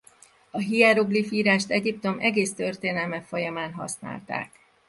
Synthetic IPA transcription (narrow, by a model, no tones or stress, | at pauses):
ɒɦijɛɾoɡlifiːɾaːʃt̪ɛɟipt̪o̞mʔɛɡeːst̪ø̞rt̪eːnɛlmɛfo̞jɒmaːnɦɒ̰sna̰ːlt̪a̰ːk